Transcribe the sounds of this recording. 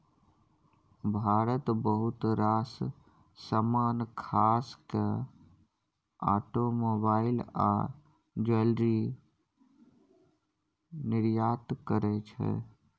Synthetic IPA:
bʱaɾət̪bəɦut̪ɾasː | əmaːnkʰaske | a̰ʈomobaɪla̰ | d͡ʒəlɾi | nɪɾjat̪kəɾɛt͡ʃʰɛ̰

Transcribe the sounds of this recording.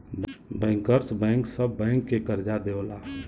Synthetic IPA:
bɛ̃ːŋkəɾsbɛ̃ŋksəbːɛ̃ŋkːekəɾd͡ʒad̪eolaː

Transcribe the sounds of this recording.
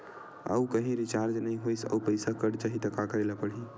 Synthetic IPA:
ə̰ukəɦĩɾɪt͡ʃaːɾd͡ʒnəɦĩɦoisə̰upəɪsakəɽt͡ʃaɦit̪ɐkakəɾelapəɽ̤i

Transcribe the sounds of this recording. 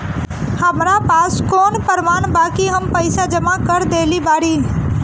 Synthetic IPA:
həmɾapaːskoːnpəɾmaːnbaːkiɦəmpəɪsad͡ʒəmakəɾd̪eːlibaːɾĩ

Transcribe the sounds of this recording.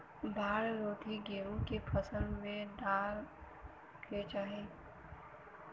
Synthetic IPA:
bʱaːɾɾoːt̪ʰiɡeːɾũkepʰəsə̃nd̪mẽd̪aːɾ | kʰɾeːt͡ʃaɦeː

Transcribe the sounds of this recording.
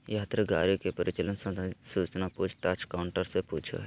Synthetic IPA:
jaːt̪ɾəɡa̰ːɾjokepɐɾɪt͡ʃələnsɐ̃suːt͡ʃnapuːt͡ʃʰʈ̪at͡ʃkaʊɳʈəɾsepuːt͡ʃʰo̰ɦ

